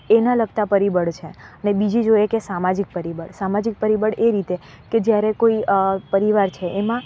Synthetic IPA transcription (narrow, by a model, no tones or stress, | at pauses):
enaləɡt̪apəɾibəɽt͡ʃʰeənebid͡ʒid͡ʒojekesamad͡ʒik̚pəɾibəɽsamad͡ʒik̚pəɾibəɽeɾit̪e | ked͡ʒjaɾekoipəɾiʋaɾt͡ʃʰeʔːmã